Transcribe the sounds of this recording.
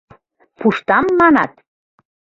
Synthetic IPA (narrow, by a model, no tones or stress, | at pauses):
puʃt̪ɑmːɑnɑ̰t̪̚